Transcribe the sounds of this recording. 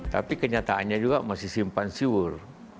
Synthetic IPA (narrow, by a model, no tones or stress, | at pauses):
t̪a̰pikəɲat̪aːnɲad͡ʒuɡamasɪsimpansiwur